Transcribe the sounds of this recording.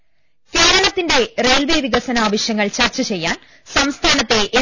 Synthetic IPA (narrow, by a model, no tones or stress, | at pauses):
ke̞ːɾɐɳɐt̪ːinɖe̞re̞ːlʋeːʋiɣɐsɐnaːʋɐɕjɐŋːɐɭt͡ɕɐrt͡ɕːɐt͡ɕe̞jːaːn | sɐmst̪ʰaːnɐt̪ːe̞ʔː